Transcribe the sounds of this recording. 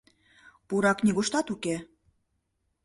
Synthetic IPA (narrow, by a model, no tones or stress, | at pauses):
puɾɑknʲiɣoʃt̪ɑt̪uke